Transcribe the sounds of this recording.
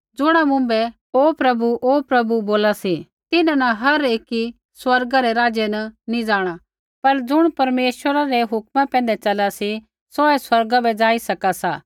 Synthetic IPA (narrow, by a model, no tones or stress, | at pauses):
d͡zʊɽ̃amʊ̃mbɛ | oːpɾɐbuʔoːpɾɐbuboːlasi | t̪ɪnãnɐɦɐɾeːki | swɐɾɡaɾeɾaːd͡ʒjenɐnĩd͡ʒaːɽ̃a | pɐɾd͡zʊɽ̃pɐɾmeːʃwəɾaɾeɦʊkmãpɛ̃ːnd̪ɛt͡ʃɐlasi | soɛswɐɾɡabɛd͡ʒaːisɐkasa̰ː